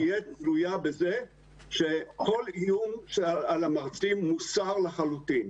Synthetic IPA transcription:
jet͡sɾujabeze | ʃeko̞lijumʃalamaʁt͡simːusaʁlaχalut̪in

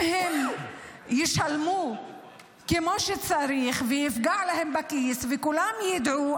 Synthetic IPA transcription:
hem | jiʃalmu | kemo̞ʃet͡saɾiχvejifɡaʕlahembakisvekulamjid̪ʕu

